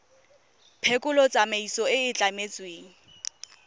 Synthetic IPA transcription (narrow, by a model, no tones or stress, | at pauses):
pʰekʼʊlɔt͡sʼameisɔɪɪt͡ɬʼamet͡sʼweːŋ̩